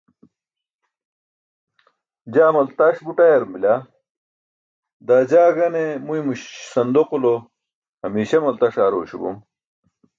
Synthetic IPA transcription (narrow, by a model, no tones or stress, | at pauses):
d͡ʑaːmɐlt̪aʂbuʈɐjɐɾumbila | d̪aːd͡ʑaːɡɐnemujmuɕsɐnd̪oqulo | hɐmiːɕɐmɐlt̪aʂaːɾoːɕubṵm